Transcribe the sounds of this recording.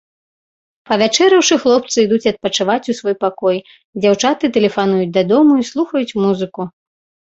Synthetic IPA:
pɐvʲat͡ʂɛɾɐwʂɨxlˠɔp̚t̪sɨid̪ut͡sʲɐt̪̚pɐt͡ʂɨvat͡sʲusvɔjpakɔj | d͡zʲawt͡ʂat̪ɨt̪ɛlʲɛfan̪ujut͡sʲd̪ɐd̪ɔmuislˠuxɐjut͡sʲmuzɨku

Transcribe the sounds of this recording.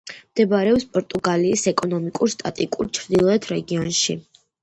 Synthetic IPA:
md̪̥ɛbaɾɛɔpspʼɔɾt̪ʼuɡaliːsɛkʼɔnɔmikʼuɾst̪ʼat̪ʼikʼuɾt͡ʃʰɾd̪ilˠɔɛt̪ʰɾɛɡiɔnʃi

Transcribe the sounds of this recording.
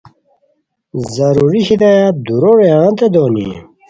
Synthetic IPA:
zɐɾuɾiɕid̪ajad̪uɾoɾeãnt̪ed̪oːnḭ

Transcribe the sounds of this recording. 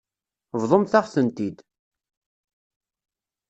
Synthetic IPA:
vðˤəmθaʁθənt̪id̪

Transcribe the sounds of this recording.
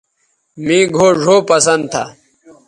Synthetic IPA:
mĩːɡʱoːʐʱoːpɐsɐnd̪̚t̪ʰa

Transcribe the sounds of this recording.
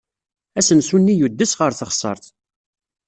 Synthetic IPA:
æsənsunːijud̪ːəsʁəɾθəχsˤə̰ɾˤθ

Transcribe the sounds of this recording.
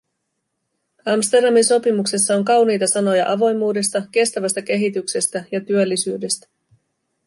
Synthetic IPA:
ɑmst̪e̞rdɑminso̞pimukse̞sːɑo̞ŋkɑwnijt̪ɑsɑno̞jɑ̰ʔɑʋo̞jmuːde̞st̪ɑk̟e̞st̪æʋæst̪æk̟e̞ɦit̪ykse̞st̪æjɑt̪yølːisyːde̞st̪æ̥

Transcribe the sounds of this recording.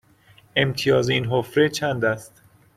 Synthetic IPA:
e̞mt̪ʰijɒːzinɦofɾet͡ʃʰænd̪æst̪

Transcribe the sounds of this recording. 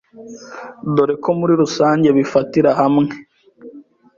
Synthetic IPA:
do̞ɾekʰo̞muɾiɾusaːɲɟe̞βifatiɾahamŋe

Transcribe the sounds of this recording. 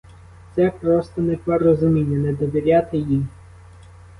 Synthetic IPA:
t̪sɛpɾɔst̪ɔnɛpɔrɔzʊmʲinʲːɐnɛd̪ɔʋʲiɾʲat̪ɪjim

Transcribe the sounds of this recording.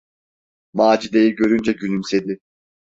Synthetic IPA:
maːd͡ʒid̪ejiɟø̞ɾynd͡ʒɛɟylymse̞d̪ɪ

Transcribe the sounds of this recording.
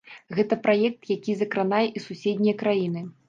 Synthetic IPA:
ɣɛt̪ɐpɾajɛk̚t̪jakʲizɐkɾanajɛʔisusʲɛd̪ʲnʲijɐkɾajin̪ɨ

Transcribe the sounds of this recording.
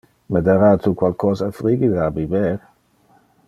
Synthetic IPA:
med̪aɾat̪ukwalkʰɔːzafɾiɡid̪əabiveɾ

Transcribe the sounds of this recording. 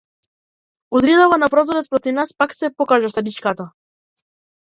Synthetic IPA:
uzɾid̪avanapɾɔzɔɾɛt̪spɾɔt̪ivnaspaksɛpɔkaʒaʃt̪ad̪it͡ʃkat̪a

